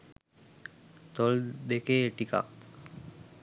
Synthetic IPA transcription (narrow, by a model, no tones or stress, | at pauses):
t̪ɔld̪ekeʈika̰